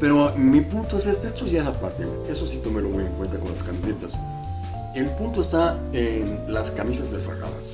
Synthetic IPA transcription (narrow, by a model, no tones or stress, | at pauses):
pe̞ɾomipunt̪o̞esest̪eest̪oʝaesapast̪ḛm | e̞so̞sit̪o̞melo̞muje̞ŋkwe̞nt̪ako̞nlaskamisit̪as | elpunt̪oest̪a | enlaskamisazðefa̰ɣa̰ða̰s